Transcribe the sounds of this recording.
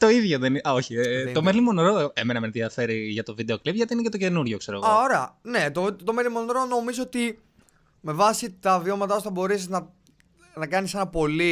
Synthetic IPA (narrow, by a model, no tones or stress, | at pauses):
t̪o̞iðʝo̞ðenioçit̪o̞melimonɾoemenɐmenðiɐfe̞ɾiʝɐt̪o̞vid̪e̞o̞klipʝɐt̪iinecet̪oce̞nuɾʝo̞kse̞ɾoɣɐoɾeɐ̰ne̞t̪ot̪omelimo̞nɾono̞mizoot̪i | me̞vɐsit̪ɐvio̞mɐt̪ɐpuθɐbo̞ɾesiznɐ | nɐkɐnisenɐpo̞li